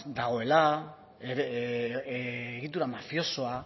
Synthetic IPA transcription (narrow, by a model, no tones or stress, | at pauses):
d̪aɣ̞o̞e̞la | eɾ | ɣit̪̬uɾamafjo̞so̞a